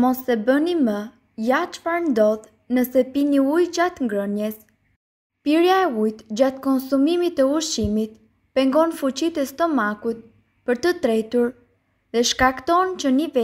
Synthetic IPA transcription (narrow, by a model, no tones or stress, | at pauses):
mɔsɛbənimə | jat͡ʃfaɾnd̪ɔð | nəsɛpiniujd͡ʑat̪ŋɡɾənjɛs | piɾjaɛujt̪d͡ʑat̪kɔnsumimit̪ɛuʃimit̪ | pɛŋɡɔnfut͡ɕit̪ɛst̪ɔmakut̪̚ | pəɾt̪ət̪ɾɛt̪uɾ | ðɛʃkakt̪ɔnt͡ɕənivɛ